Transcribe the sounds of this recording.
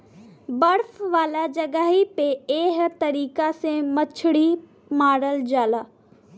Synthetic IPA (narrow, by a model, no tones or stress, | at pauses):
bɐɾfʋaːlad͡ʑɐɡaːɦipeeːɦət̪ɐɾiːkasẽmɐt͡ʃʰɪɽi | maːɾəld͡ʒaːlaː